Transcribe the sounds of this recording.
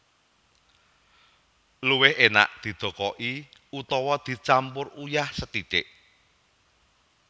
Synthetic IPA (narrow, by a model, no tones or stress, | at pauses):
luwɪhena̰ʔd̪̥i̤d̪̥o̤kɔʔiut̪ɔwɔd̪̥i̤t͡ʃampʊrujahsət̪it̪ɪʔ